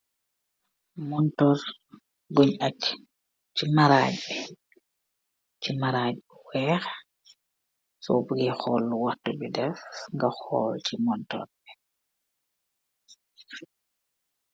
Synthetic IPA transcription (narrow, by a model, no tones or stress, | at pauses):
mɔntɔɾ | ɡoɲat͡ʃ | t͡ʃimaɾaɟɓɛ | t͡ʃimaɾad͡ʒɛwɛːxɛ̥ | sɔ̰buɡɛxɔlːuwatːubɛdɛfŋɡaxɔ̰lt͡ʃimɔntɔ̰ɾbɛ̥